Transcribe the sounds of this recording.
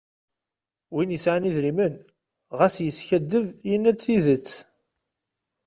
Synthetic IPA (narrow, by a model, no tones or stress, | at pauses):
winjəsʕaniðɾimən | ʁæsjəsçæd̪ːəvjənːæt͡sːiðət͡sː